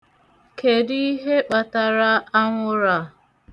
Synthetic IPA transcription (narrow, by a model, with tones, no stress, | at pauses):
kʰe˨di˦i˦ɦe˦k͡pa˨ta˨ɾa˦a˦ŋʷʊ˦ɾa˨